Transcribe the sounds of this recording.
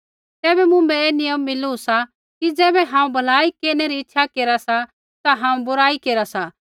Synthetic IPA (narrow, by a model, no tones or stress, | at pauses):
t̪ɛːbɛmʊ̃mbɛeːnɪjəmːɪluusa | kid͡zɛːbɛɦãːũbʱɐlaːikeːɾneɾiɪtːʃʰakeːɾasa | t̪aɦãːũbʊɾaːikeːɾasa